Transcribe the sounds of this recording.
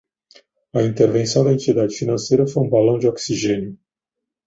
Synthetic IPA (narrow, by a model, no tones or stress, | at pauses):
ɐĩnt̪eɾvẽsɐ̃w̃d̪ɐẽnt͡ʃid̪ad͡ʒɪfinɐ̃sejɾɐfojũbalɐ̃w̃d͡ʒɪɔksiʒẽnjʊ